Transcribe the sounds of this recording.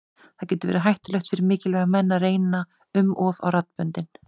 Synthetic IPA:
θacɛːt̪ʏvɛːɾaɦajht̪ɪlœɥxt̪fɪɾɪɾmɪːcɪlvɛːɣamɛnːaɾeːjna | ʏmɔva̰wrat̪pœnt̪ɪn

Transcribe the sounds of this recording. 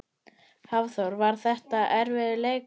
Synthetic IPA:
havθowɾvaɾ̥θɛht̪aʔɛɾvɪðɪleːjk

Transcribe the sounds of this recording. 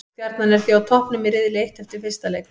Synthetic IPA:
fjaɾt̪nanɛɾ̥θiawt̪ʰɔhpnʏmɪɾɪðɪlɪejht̪hɛft̪ɪɾ̥fɪrst̪alɛːk

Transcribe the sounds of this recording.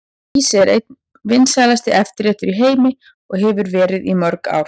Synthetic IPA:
iːsɾet̪ | vɪnːsaːjlast̪ɪʔɛft̪ɪɾɛːht̪ʏɾiɦeːjmɪ | ɔɣɦɛvʏɾvɛːɾɪðimœɾka̰ːwɾ̥

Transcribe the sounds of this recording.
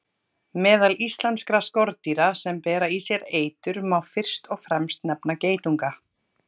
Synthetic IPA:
mɛːðalist̪lanskɾaskɔɾt̪iɾasɛmpɛːɾaisjɛɾeːjt̪ʏɾmawfɪr̥st̪ɔɣfɾɛmst̪nɛpnaceːjt̪uŋka

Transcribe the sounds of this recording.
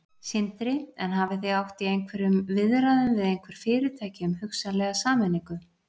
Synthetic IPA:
sɪnt̪ɾɪɛnɦaːvɪθejawht̪iejŋkʰvɛɾʏmvɪðɾaðʏmvɪðejŋkʰvɛɾ̥fɪːɾɪt̪ʰaːjcɪʏmhʏksalɛɣasaːmɛnːiŋkʏ

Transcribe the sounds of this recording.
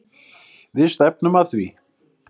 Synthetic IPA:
ðɪst̪ɛp̚nʏmaθvi

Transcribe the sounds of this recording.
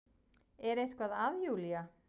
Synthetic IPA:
ɛɾejhskvaðaðjuːlia

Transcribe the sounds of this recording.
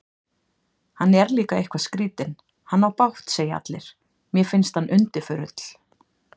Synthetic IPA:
hanːɛɾliːkaehkvaskɾiːt̪ɪn | hanːawpawht̪seːjaa̰t̪lɪɾ̥ | mjɛfɪnst̪hanːʔʏnt̪ɪfʏɾʏt̪l̥

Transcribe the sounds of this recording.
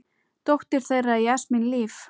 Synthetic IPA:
t̪owht̪ɪɾ̥θejrːaiɛsmɪnliːf

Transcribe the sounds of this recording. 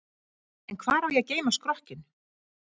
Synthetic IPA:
ɛnkʰvaːðɾawjɛɣceːjmaskɾɔhcɪn

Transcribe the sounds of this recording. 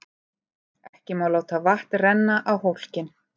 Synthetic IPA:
ɛhcɪmaːwlaːwt̪ʰavaht̪rɛnːaʔawhowl̥cɪn

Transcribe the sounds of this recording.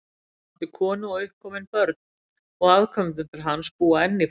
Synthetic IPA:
t̪ɪkʰɔːnʏɔɣʏhkʰːɔːmɪnpœɾt̪n | ɔɣaðkʰœmt̪ʏnt̪ɪɾ̥ɦanspuːaɛnːɪ

